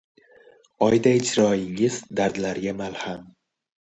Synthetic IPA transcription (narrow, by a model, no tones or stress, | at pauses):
ɒjd̪aɪd͡ʒɾɒɪŋɪz̥d̪aɾd̪laɾɡʲamalham